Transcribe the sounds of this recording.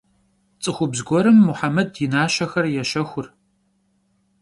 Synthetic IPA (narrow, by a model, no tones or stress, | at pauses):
t͡sʼɨxʷʊbzɡʷɔɾɨmːʊħamɐdjɪnaːɕɐxɐrjɛʃɐxʷʊr